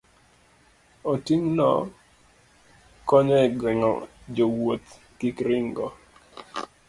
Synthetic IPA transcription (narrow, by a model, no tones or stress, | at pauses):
otiŋnɔ̰ | kɔɲɔɡwɪŋɔ̰d͡ʒowot̪ | kikɾɪŋɡɔ